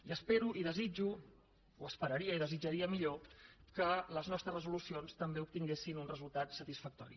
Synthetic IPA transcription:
iəspeɾuʔiðəzid͡ʒu | uəspəɾəɾiəiðəzid͡ʒəɾiəmiʎokələznɔst̪ɾəzrəzulusionst̪əmbeup̚t̪iŋɡesinunrəzulˠt̪at̪sət̪isfək̚t̪ɔ̰ɾḭ

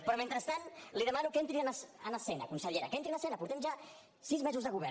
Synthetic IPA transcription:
pɾɔment̪ɾəst̪anliðəmanukent̪ɾiənsənəsɛnə̰kunsəʎeɾəkẽnt̪ɾianəsɛnəpuɾt̪ɛmʒa | sizmɛzuzðəɣuβɛ

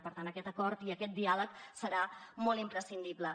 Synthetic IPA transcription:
pəɾt̪anəkɛt̪əkɔɾt̪iəkɛt̪̚d̪ialəksəɾamɔlˠimpɾəsind̪iblə

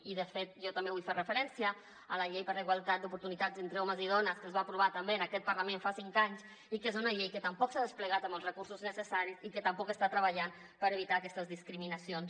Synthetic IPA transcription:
iðəfet̪̚ʒɔt̪əɐmbeβujferəfəɾɛnsijə | ələʎejpəɾləɣwalˠt̪at̪d̪upuɾt̪unit̪azent̪ɾəɔməziðɔnəskəzβaːpɾuβat̪əmbeənəkɛt̪̚pərləmẽnfasiŋkaɲs | ikezunəʎejkət̪əmpɔksaðəspləɣat̪əmbəlzrəkuɾsuznəsəsaɾisikət̪əmpɔkəst̪at̪ɾəβəʎan | pəɾəβit̪aːkɛst̪əzðiskɾiminəsions

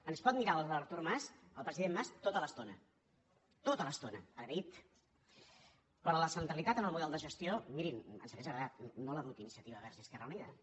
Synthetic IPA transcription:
ənspɔt̪̚miɾaəlˠβəɾt̪uɾmasəlˠpɾəziðemːast̪ot̪ələst̪onə | t̪ot̪ələst̪onəəɾɾit̪ | pɾɔləsənt̪ɾəlit̪at̪ənəlˠmuðɛlˠd̪əʒəst̪iomiɾinə̰nsəβɛʒəɣɾðat̪noləmut̪inisiət̪iβəβɛɾʒiskɛrəuniðə

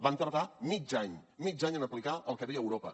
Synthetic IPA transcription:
bant̪əɾðamid͡ʒaɲmid͡ʒaɲənəplikaʔəlˠkəðeəwɾopə

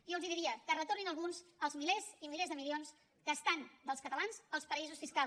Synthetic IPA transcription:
jowziðiɾiəkərət̪orninəlˠɣunzəlˠzmilezimilezðəmilions | kəːst̪and̪əlˠskət̪əlanzəlˠspəizusfiskalˠ

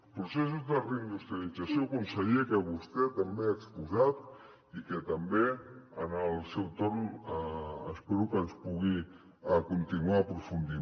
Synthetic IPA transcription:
pɾusesuzðəreind̪ust̪ɾialidd͡zasjokumsəɣiekəβust̪ɛt̪əmbeəkspuzat̪ | ikət̪əmbeənəlˠsewt̪oɾm | əspeɾukənspuɣi | əkunt̪inuapɾufund̪i

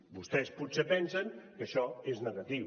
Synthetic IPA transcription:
bust̪ɛsput̪sepɛnsəŋkəʃɔeznəɣət̪i

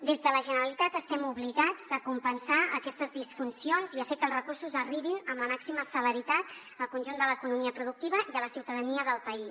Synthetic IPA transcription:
d̪ezðələʒənəɾəlit̪at̪əst̪ɛmuβliɣad͡zəkumpənsaə̰kɛst̪əzðisfunsionziəfekəlˠrəkursuzəriβinəmləmaksiməsələɾit̪at̪ | əlˠkunʲʒund̪ələkunumiəpɾuðuk̚t̪iβəʔiələsiwt̪əðəniəðəlˠpəis

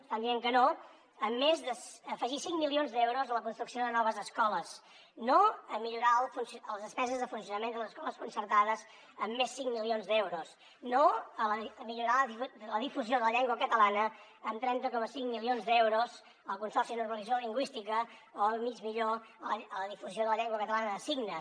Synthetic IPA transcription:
and̪iɛmkəno | əmːezðəsəfəʒisiŋmilionzd̪ɛwɾuzələkunst̪ɾuksioðənɔβ̞əzəskɔləs | noəmiʎuɾalˠfunsəlˠzðəspɛzəzðəfuns̬iunəmẽnd̪ələzəskɔləskunsərt̪aðəz | əmːesːiŋmilionzd̪ɛwɾus | noələmiʎuɾaləðifuzioðələʎɛŋɡwəkət̪əlanə | əmt̪ɾɛnt̪əkɔməsiŋmilionzd̪ɛwɾuz | əlˠkunsɔrsiənurməlizoliŋɡwist̪ikəoəmid͡ʒmiʎoələðifuzioðələʎɛŋɡwəkət̪əlanəəsiɡnə

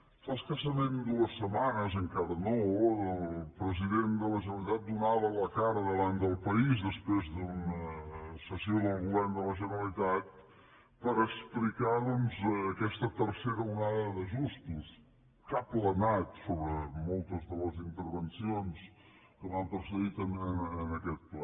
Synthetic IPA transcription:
faskəsəmend̪uəsːəmanəzəŋkaðənɔwəlˠpɾəziðend̪ələʒənəlˠit̪at̪̚d̪unaβələkaɾəðəβant̪d̪əlˠpəizd̪əspɾezðunəsəsjoðəlˠɣulɛnd̪ələʒənəlit̪at̪̚ | pəɾəksplikaðɔnzəkɛst̪ət̪əɾsɛɾəunaðəðəʒust̪us | kaplənat̪soβɾəmolˠt̪əzðələzint̪əɾβənsions | kəvampɾsəɣit̪ənənəkɛt̪̚plɛ

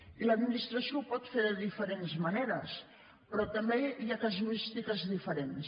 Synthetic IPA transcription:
iləd̪minist̪ɾəsiopɔt̪feɾðəðifəɾenzmɐneɾəs | pɾɔt̪əmbeiakazuist̪ikəzðifəɾens

